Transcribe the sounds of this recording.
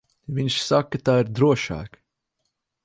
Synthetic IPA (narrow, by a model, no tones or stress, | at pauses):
viɲʃsakːɐt̪aːiɾd̪ɾuɔʃa̰ːk